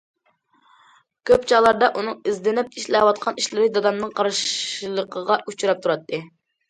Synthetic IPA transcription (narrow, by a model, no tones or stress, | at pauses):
kʲʰøpt͡ʃʰɑlˠɑɾd̪ɑʔunɨŋizd̪ɪnɪp̚iʃlɛwɑt̪̚qʰɑniʃlɪɾɪd̪ɑd̪ɑmnɨŋqʰɑɾʃlˠəqʰəʁɑʔut͡ʃuɾɑp̚t̪ʰuɾɑt̪ʰːɨ